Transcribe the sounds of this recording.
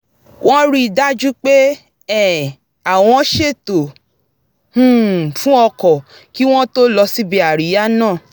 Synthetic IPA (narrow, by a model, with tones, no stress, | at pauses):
wɔ̃˦ɾi˦da˦d͡ʒu˦k͡pe˦ | ɛ˦˨ | a˨w̃ɔ̃˧˦ʃe˦˨to˨ | ũ˦˨fũ˦ɔ˧kɔ˨ | ki˦w̃ɔ̃˦to˦lɔ˧si˦bi˧˦a˨ɾi˨˦ja˦nãː˦˨